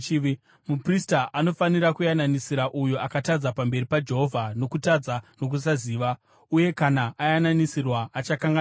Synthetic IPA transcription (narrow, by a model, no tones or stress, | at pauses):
mupristaʔano̞fanirakujananisiɾaʔujuakatad͡zapambe̞ripad͡ʒe̞ɦo̞vʱano̞kutad͡zanok̬us̬aziːʋa | uje̞kanaajananisirwaʔat͡ʃakaŋɡa